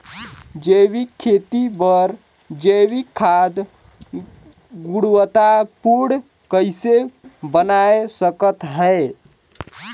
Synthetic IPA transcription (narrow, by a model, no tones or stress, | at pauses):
d͡ʒewikʰːet̪ibəɾ | d͡ʒewikʰːad̪ | ɡuɽwət̪apuɽ | kəjsebənaesəkət̪ɦəe